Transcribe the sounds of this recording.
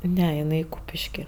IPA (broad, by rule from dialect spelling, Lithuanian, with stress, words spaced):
ˈnʲɛ ɪˈnɐɪ ˈkuːpʲɪʃʲkʲɪ